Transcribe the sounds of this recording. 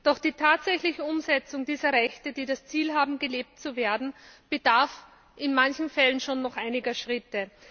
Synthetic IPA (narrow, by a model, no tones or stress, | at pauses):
d̥ɔχd̥iːtʰaːtz̥ɛçlɪçəʊmzɛt͡sʊŋdiːzɐʁɛçtəd̥iːdast͡siːlɦaːbm̩ɡəleːp̚tt͡suveːɐdn̩b̥ədaɐf | ɪnmançn̩fɛlənʃoːnːɔχʔaɪnɪɡɐʃʁ̥ɪtə